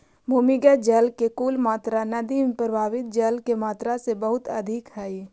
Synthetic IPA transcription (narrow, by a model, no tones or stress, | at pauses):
bʱʊːmɪɡad͡ʒəlkekuːlmaːt̪ɾanɐd̪impɾəbʱaːʋɪt̪̚d͡ʒəlkemaːt̪ɾasebəɦʊt̪əd̪ʱɪkɦɛi